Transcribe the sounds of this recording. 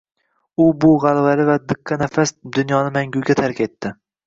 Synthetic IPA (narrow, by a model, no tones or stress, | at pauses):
ʊbʊʁalˠvalɪvad̪ɨqʰːɑnafasd̪ʊnjɒnɪmaŋɡʲʊɡʲat̪ʰaɾkʲe̞t̪ːɪ